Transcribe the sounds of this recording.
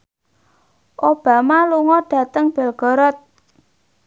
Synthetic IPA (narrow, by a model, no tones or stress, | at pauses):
ʔob̥a̤maluŋɔɖ̥a̤t̪əŋb̥ɛ̤lɡ̥ɔ̤ɾɔt̪̚